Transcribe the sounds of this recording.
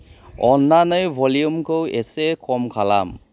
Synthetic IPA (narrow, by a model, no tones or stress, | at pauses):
ɔnːanɯjbʱɔliumkʰɯwesekʰɔmkʰala̰m